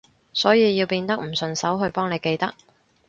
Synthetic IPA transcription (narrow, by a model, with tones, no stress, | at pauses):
sɔː˨˥jiː˨˧jiː˧wpiː˧nt̪ɐ˥k̚m̩˨˩sɵ˨nsɐ˨˥wɦɵ˧ɥpɔː˥ŋne˨jke˧jt̪ɐ˥k̚